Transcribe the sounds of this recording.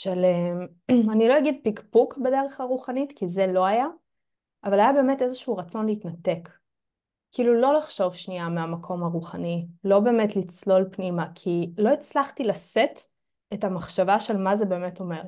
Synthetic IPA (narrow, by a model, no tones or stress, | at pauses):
ʃalem | anilo̞jaɡid̪̚pikpukbedeʁeχaʁuχanitkize̞lo̞aja | ʔːvalajabeːmetezeʃuuʁat͡so̞nleitnate̞kː | iilulo̞laχʃo̞vʃniameamakʰo̞mhaʁuχanilo̞be̞ːmetlit͡slo̞lpnimakʰilo̞it͡slaχtilaset | etamaχʃavaʃe̞lmazebe̞ːmeto̞me̞ʁ